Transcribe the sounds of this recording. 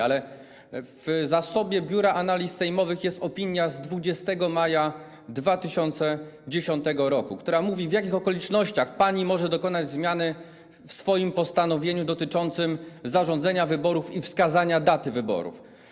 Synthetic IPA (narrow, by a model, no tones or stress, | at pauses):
alɛ | v̥zasɔbʲjɛbʲjuɾaʔanalʲisːɛjmɔvɘxjɛst̪ɔpʲiɲjazd̪vud͡ʑɛst̪ɛɡɔmaja | d̪vat̪ɘɕɔnt̪sɛd͡ʑeɕɔnt̪ɛɡɔɾɔkukt̪uɾamuvʲivjakʲixɔkɔlʲit͡ʂnɔɕt͡ɕaxpaɲimɔʐɛd̪ɔkɔnad͡ʑzmʲjanɘ | fsfɔjimpɔst̪anɔvʲjeɲud̪ɔt̪ɘt͡ʂɔnt̪sɘmzaʐɔ̃nd̪zɛɲavɘbɔɾufifskazaɲad̪at̪ɘvɘbɔ̰ɾṵf